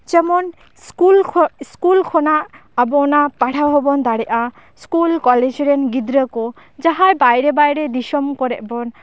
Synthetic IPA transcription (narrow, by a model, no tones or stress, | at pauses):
d͡ʒɛmɔn | kulskulkʰɔnaʔ | abɔɔnapaɽʰawɦɔbɔnd̪aɽɛʔa | skulkɔled͡ʒɾɛnɡid̪ɾəko | d͡ʒaɦajbajɾebajɾed̪iʃɔmkɔɾɛ̰ʔbɔn